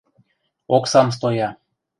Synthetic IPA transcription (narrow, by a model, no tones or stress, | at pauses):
oksɑms̬t̪ojɑ